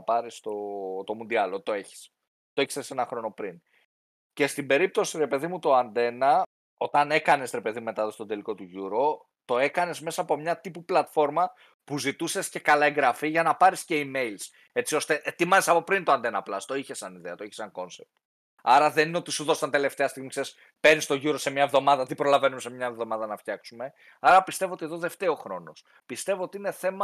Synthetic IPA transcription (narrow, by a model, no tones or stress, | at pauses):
pɐɾist̪o̞t̪o̞mund̪iɐlot̪oe̞çi̥s | t̪o̞e̞çi̥sese̞nɐxɾo̞no̞pɾin | ce̞st̪imbe̞ɾip̚t̪o̞siɾe̞pe̞ðimut̪o̞ɐnd̪e̞nɐ | o̞t̪ɐne̞kɐne̞sɾe̞pe̞ðimume̞t̪ɐðost̪od̪e̞liko̞t̪uʝuɾo̞ | t̪o̞e̞kɐne̞zme̞sɐːpo̞mɲɐt̪ipuplɐt̪fo̞ɾmɐ | puzit̪use̞sce̞kɐlɐeŋɡɾɐfiʝɐnɐpɐɾisce̞ime̞jls | e̞t͡sio̞st̪e̞ʔet̪imɐzesɐpo̞pɾint̪oɐnd̪enɐplɐst̪o̞içe̞sːɐniðeɐt̪o̞içesɐŋko̞nsep̚t̪ | ɐɾɐðe̞nineo̞t̪isuðo̞sɐnt̪e̞le̞ft̪e̞ɐst̪iɣmikseɾis | pe̞ɾnist̪o̞ʝuɾo̞se̞mɲɐe̞vðo̞mɐðɐt̪ipɾo̞lɐve̞numese̞mɲɐevðo̞mɐðɐnɐft̪çɐksume̞ | ɐɾɐpist̪e̞voot̪ieðoðe̞ft̪e̞o̞xɾo̞no̞s | pist̪e̞vo̞ot̪iine̞θe̞mɐ